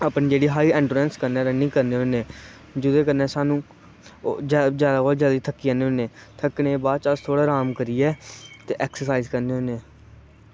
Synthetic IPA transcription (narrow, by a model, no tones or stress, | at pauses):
aːpniːd͡ʒeːɽiːɦaːiːɛ̃ːɳɖuɾɛ̃ːnskəɾnɛːɾənɪ̃ːkəɾneːɦoneː | d͡ʒʊd̪eːkəɾnɛ̃ːsaːnũː | d͡ʒad͡ʒjaːd̪aːkoːld͡ʒjaːd̪iːt̪ʰəkːiːaneːoːnẽːt̪ʰəkɳẽːbaːt͡ʃəst̪ʰoːɽaːɾaːmkəɾiːɛːt̪eːʔɛːksəsaːizkəɾneːɦoneː